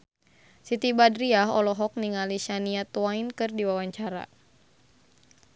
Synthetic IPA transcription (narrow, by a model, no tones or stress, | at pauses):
sit̪ibadɾiaɦɔ̰lɔɦɔk̚niŋaliʃaniat̪uainkɨrdiwawaɲt͡ʃaɾa̰